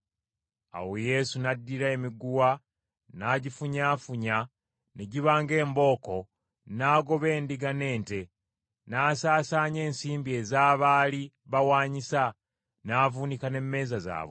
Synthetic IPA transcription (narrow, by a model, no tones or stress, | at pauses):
a̰wo̞je̞sunadːiɾae̞miɡuwa | naːɟifuɲaːfuɲa | neɟiβaːŋɡe̞ːmbo̞ːko̞ | naːɡo̞βe̞ːndiɡane̞ːnte̞ | naːsaːsaːɲe̞ːnsiːmbie̞ːzaːβaːli | βawaːɲisa | naːvuːnikane̞mːe̞ːzaza̰ːβwo